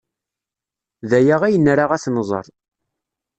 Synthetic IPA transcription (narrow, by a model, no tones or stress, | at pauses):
ðæjaʁæjənːɾaʁæθnəzˤə̰ɾˤ